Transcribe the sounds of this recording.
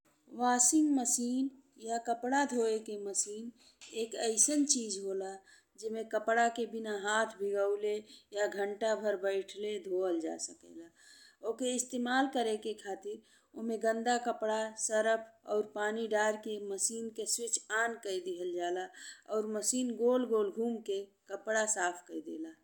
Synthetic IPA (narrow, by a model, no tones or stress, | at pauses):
ʋaːsɪŋɡməsiːn | jakəpɽad̪ʱoekeməsiːn | eːkəɪsənt͡ʃiːd͡ʒɦola | d͡ʒemẽkəpɽakebɪnaɦaːt̪ʰbʱɪɡəʊlejaɡʱə̃ɳʈabʱəɾbəɪʈʰled̪ʱoəld͡ʒa̰səkə̰la | okeɪst̪eːmaːlkəɾekekʰaːt̪ɪɾ | oɦmẽɡə̃nd̪akəpɽasəɾəpʰɔ̰ːɾpaːniɖaɾkeməsiːnkeswɪt͡ʃʰaːnkəid̪ɪɦəld͡ʒaːlaɔːɾməsiːnɡolɡolɡʱuːmkekəpɽasaːpʰkəid̪ḛːla